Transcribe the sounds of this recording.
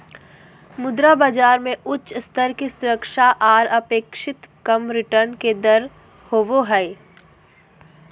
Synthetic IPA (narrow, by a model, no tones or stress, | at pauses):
mʊd̪ɾabad͡ʒaːɾmẽʔʊtːʃst̪ʰəɾkisʊɾəkʃaʔaːɾɐpeːkʃɪt̪kɐmɾɪʈəɾnked̪ɐɾ | hoːʋoɦɛː